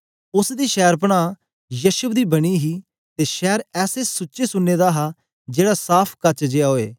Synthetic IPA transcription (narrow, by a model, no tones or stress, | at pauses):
ʊsd̪iːʃɛːɾp̬əɽ̃ãː | jəːʃʊb̚d̪iːbɐɽ̃iːɦiː | t̪eːʃɛːɾɛːsesʊːʃesʊnːeːd̪aːɦaː | d͡ʒeːɽasaːpʰkɐt͡ʃd͡ʒeaoːeː